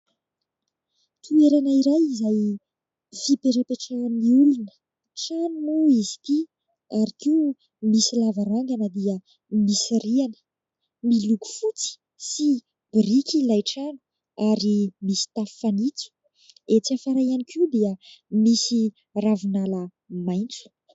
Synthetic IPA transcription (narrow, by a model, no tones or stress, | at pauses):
t̪ʰueɾanaiɾajizaj | fipeʈ͡ʂəpeʈ͡ʂaniulunə̥ | ʈ͡ʂanunuizi̥t̪i | aɾikiu | misilavaɾaŋɡanəd̪iə | misirianə̥ | miluku̥fut͡si̥ | si | b̥rikʲilajʈ͡ʂanu̥ | aɾimisi̥t̪affanit͡su̥ | et͡siafaɾajanikiwd̪iəmisi | ravunalə | majnt͡su̥